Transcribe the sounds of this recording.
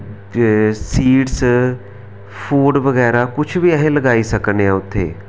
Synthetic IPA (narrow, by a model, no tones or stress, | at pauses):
siːɖs | pʰuːɖʋəɡɛːɾaːkʊt͡ʃʰʋiːɛɦẽːləɡaːiːsəkneɛ̃ːʊt̪ʰːḛː